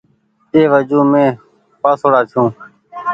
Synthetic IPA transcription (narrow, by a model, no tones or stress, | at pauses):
t̪eːʋəd͡ʒuːmẽː | paːsoːɽaːt̪ʰɪjũː